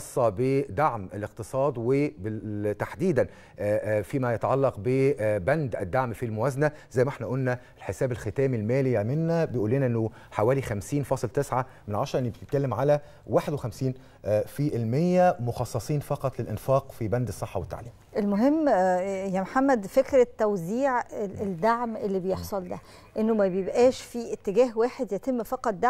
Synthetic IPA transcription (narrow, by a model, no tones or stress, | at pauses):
ɑsˤːɑbed̪aʕmeleq̚t̪ɨsˤɑːd̪webet̪aħd̪iːd̪æn | fiːmæjɑt̪ɑʕɑlːɑqbebænd̪ʔæd̪ːaʕmfilmowæzænæ | zæjːmæʔeħnæʔolnæ | lħesæːbelxet̪æːmilmæːlijæmenːæbejʔuːlːinæʔenːo | ħawæːlixæmsiːnfɑːsˤlt̪esʕa | menʕɑʃɾˤɑʔenːibet̪et̪kælːemʕalæ | waːħed̪wexæmsiːn | fiʔelmejːæmoxɑsˤːɑsˤiːnfɑqɑt̪ˤlelʔenfɑːqfibænd̪sˤːeħːɑwet̪ːa̰ʕliːmʔelmoɦemːjæmħamːæd̪fekɾæt̪ːæwziːʕed̪aʕmʔelːibejeħsˤɑld̪æ̰ | ʔenːomæbejebʔæːʃfiʔet̪ːeɡæːɦwæːħed̪jæt̪emːfɑqɑt̪̚ˤd̪a